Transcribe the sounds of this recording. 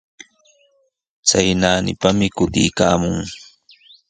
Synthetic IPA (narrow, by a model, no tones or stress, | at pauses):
t͡sajnaːnɪ̰pamɪkʊt̪ɪjka̰ːmʊŋ